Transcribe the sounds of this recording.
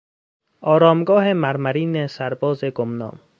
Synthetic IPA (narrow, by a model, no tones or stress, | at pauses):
ɒːɾɒːmɡɒːɦemæɾmæɾiːnesæɾbɒːzeɡomnɒ̰ːm